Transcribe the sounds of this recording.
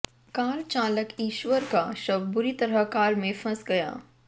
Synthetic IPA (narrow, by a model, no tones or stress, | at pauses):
kaːɾt͡ʃaːləkiːʃwəɾkaʃɐbbʊɾit̪ɐɾəkaːɾmẽfɐ̃sɡɐja̰ː